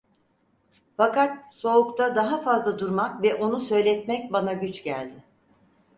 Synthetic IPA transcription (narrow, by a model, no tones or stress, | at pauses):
fakat̪̚so̞ukt̪ʰad̪aɦafazlˠad̪uɾmakvɛʔo̞nusø̞jlʲɛt̪mɛc̚banaɟyt͡ʃɟæ̰lʲd̪ɪ